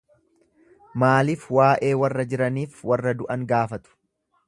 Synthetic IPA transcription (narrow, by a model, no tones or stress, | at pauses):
maːlɪfwaːʔe̞ːwɐrːɐd͡ʒɪɾɐniːfwɐrːɐd̪ʊʔɐŋɡaːfɐt̪ʊ̥